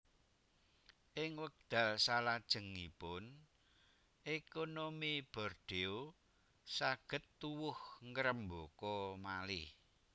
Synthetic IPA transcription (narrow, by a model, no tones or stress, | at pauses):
ʔɪŋwək̚d̪̥a̤lsalad̥ʒ̥ə̤ŋipʊn | ʔekonomib̥ɔ̤rd̪̥eo | saɡ̥ə̤t̪ːuwʊhŋəɾəmbokɔmalɪh